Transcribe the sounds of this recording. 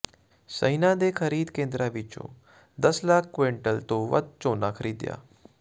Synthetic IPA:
sə̰inad̪ekʰəɾiːd̪kẽnd̪ɾaʋit͡ʃõ̰ | d̪əslaːkʰkʋeɳʈəlt̪oʋə̰d̪̚t͡ʃoːnakʰəɾiːd̪ja̰ː

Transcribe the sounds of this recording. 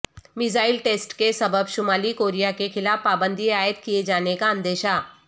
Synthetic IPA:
mɪzaːɪlʈeːsʈkesɐbəbʃʊmaːlikoːɾijakexɪlaːfpaːbə̃nd̪ʱiaːjət̪kijed͡ʒaːnekaə̃nd̪eːʃaː

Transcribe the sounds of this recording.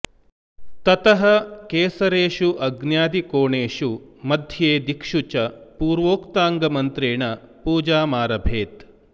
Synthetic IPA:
t̪ɐt̪ɐɦɐkeːsɐɾeːʂuʔɐɡnjaːd̪ikoːɳeːʂumɐd̪ʱjeːd̪ikʂut͡ʃɐpuːɾʋoːkt̪aːŋɡɐmɐnt̪ɾeːɳɐpuːd͡ʒaːmaːɾɐbʱeːt̪

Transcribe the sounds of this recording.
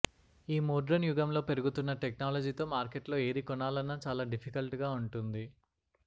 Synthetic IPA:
iːmoːɖɾɐnjuɡɐmlo̞ːpe̞ɾuɡut̪unːɐʈeknaːlɐd͡ʒiːt̪o̞ːmaːɾkeʈlo̞ːe̞ːɾikɔnaːlɐnːɐt͡ʃaːlaːɖipʰikɐlʈuɡaːuɳʈund̪i

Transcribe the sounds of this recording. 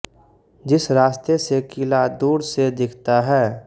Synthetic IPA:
d͡ʒɪsɾaːst̪esekɪlad̪uːɾsed̪ɪkʰt̪aɦɛː

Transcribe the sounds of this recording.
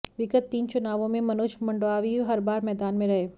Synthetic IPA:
ʋɪkət̪ːiːnt͡ʃʊnaːʋõmẽmɐnʊʃmɐ̃ɳɖoaːʋiɦɐɾbaːɾmɛːd̪aːnmẽɾɐɦeː

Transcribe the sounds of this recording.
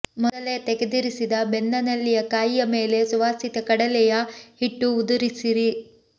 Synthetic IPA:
mɔd̪ɐlet̪eɡed̪iɾisid̪ɐbenːɐnɐlːijɐkaːjijɐme̞ːle̞suʋaːsit̪ɐkɐɽɐlɛjɐhiʈːuːd̪uɾisiɾi

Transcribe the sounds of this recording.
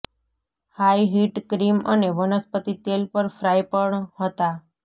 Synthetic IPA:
hajɦiʈkɾiməneʋənəspət̪it̪elpəɾfɾajpəɳɦət̪a

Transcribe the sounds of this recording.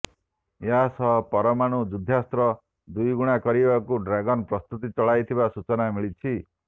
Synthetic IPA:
jasʌɦpɔɾɔmaɽ̃ud͡ʒud̪ʱast̪ɾɔ | d̪ujɡuɽ̃akɔɾibakuɖɾaɡɔnpɾɔst̪ut̪̬it͡sɔɭajt̪ʰibasut͡ʃɔnamiɭit͡ʃʰi

